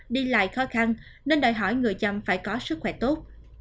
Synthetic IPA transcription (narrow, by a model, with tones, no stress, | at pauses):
ɗi˧la̰ː˧˨jxɔ˨˦xa˧n | ne˧nɗaː˨˩jɦɔ˧˩jŋɨ˨˩əjza˨˩mfaː˧˩jkɔ˨˦sɨ˦˥k̚xwɛ̰˧˩t̪o˦˥t̚